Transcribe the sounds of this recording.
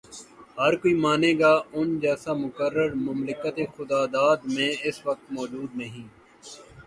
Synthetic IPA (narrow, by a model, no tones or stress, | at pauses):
ɦəɾkoiːmaːnẽːɡaːʊnd͡ʒɛːsaːmʊkəɾːəɾmʊmlɪkət̪eːxʊd̪aːd̪aːd̪mẽːɪsʋək̚t̪mɔːd͡ʒuːd̪nəɦĩː